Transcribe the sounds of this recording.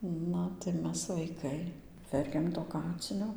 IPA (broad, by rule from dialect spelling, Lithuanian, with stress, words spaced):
ˈnɐ tɐɪ ˈmʲɛs ʋɐɪˈkɐɪ ˈʋʲɛrʲkʲɛm toː ˈkɑːt͡sʲɪnʲoː